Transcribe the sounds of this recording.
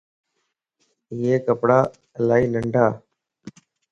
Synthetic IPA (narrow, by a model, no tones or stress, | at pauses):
ɪeːkəpɽaː | əlaːiːnəɳɖʱaː